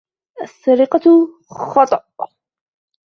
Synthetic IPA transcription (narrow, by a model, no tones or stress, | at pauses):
ʔasːɑɾiqɑ | xɑt̪ˤɑʔ